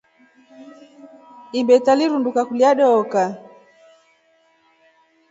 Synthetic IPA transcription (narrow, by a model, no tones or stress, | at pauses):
imbɛtaliɾundukakuliaɗɔka